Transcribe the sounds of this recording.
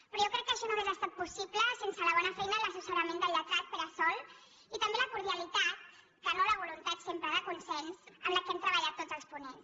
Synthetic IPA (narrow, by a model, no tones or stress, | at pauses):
pɾɔʒjokɾɛkːəʃɔnoezəst̪at̪̚pusipləsensələβ̞ɔnəfɛjnələsusəɾəmẽnd̪əlːət̪at̪̚pəɾəsɔlˠ | it̪əmbeləkuɾðiəlit̪at̪̚ | kənoləβ̞ulunt̪at̪sempɾəðəkunsɛnsəmləkɛmt̪ɾəβəʎat̪ːodzəlˠspunens